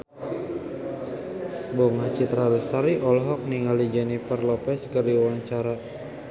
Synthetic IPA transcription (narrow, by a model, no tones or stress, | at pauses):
bɔŋat͡ʃit̪ɾaləst̪aɾiʔɔlɦɔk̚niŋalid͡ʒanipərlɔpɛskəɾiwaŋt͡ʃaɾa